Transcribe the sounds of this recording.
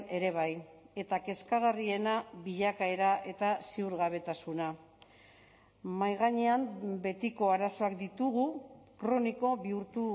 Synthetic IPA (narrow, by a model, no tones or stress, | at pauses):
e̞ɾe̞β̞aje̞t̪ake̞skaɣ̞arie̞naβiʎakae̞ɾaʔe̞t̪aseuɾɣaβ̞e̞t̪asuna | majɣaɲe̞ambe̞t̪iko̞aɾaso̞ak̚d̪it̪uɣ̞ukɾo̞niko̞βiuɾt̪u